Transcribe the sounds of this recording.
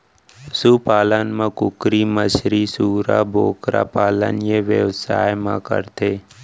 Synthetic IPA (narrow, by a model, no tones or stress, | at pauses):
suːpaːlənmãkʊkɾiːməsɾisuːɾa̰ːboːkɾa̰ːpaːlə̰njeʋəʋsa̰ːjmã̰kə̰ɾt̪ʰeː